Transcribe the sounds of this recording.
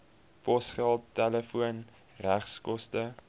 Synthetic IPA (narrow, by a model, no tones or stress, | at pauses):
pɔsχælˠtːɛləfuən | ræχskɔstə